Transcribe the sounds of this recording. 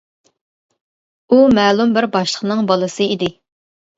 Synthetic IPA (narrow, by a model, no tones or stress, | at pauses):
umɛːlˠumbɪɾbɑʃlˠəqnɨŋbɑlˠɨsɨid̪ɪ